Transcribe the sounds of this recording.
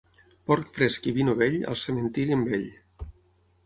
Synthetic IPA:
pɔɾkfɾeskiβinoβeʎə̰lˠsəmənt̪iɾiəmbeʎ

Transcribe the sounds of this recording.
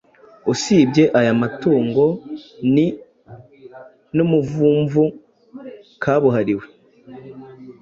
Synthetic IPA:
usiːbɟe̞ʔajamatuːŋɡo̞ni | numuvuːɱvu | kʰaːβuɦaɾiwe̞

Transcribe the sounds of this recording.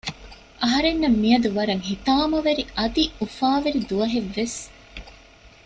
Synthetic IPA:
ʔɐɦɐɾenːɐmːijɐd̪uʋɐɾɐŋhit̪aːmɐʋeɾiʔɐd̪iufaːʋeɾid̪uɐɦeʋːes

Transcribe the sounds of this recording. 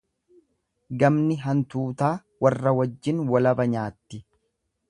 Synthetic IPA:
ɡɐmnɪɦɐnt̪uːt̪aː | wɐrːɐwɐd͡ʒːɪnwɐlɐbɐɲaːt̪ːɪ

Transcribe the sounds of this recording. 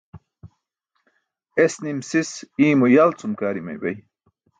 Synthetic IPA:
esnimsisiːmujalt͡sumkaːɾimɐ̰jbɐ̰j

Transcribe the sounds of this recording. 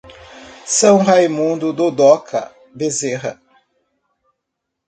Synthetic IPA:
sɐ̃w̃hajmũnd̪ʊd̪od̪ɔkʰɐ̰ | bezeɦɐ̰

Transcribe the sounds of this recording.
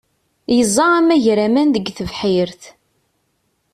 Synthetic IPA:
jəzˤːɑæmæʝɾæmænðəɡθəvħiɾθ

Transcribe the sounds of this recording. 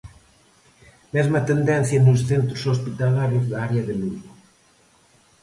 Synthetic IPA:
mɛzmat̪end̪ɛn̟θjanusθent̪ɾusospit̪alaɾjuzðaɾeaðeluβu

